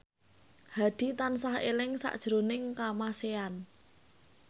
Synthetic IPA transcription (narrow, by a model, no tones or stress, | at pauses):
had̪̥i̤t̪ansahḛlɪŋsa̰ʔd̥ʒ̥əɾonɪŋkamasean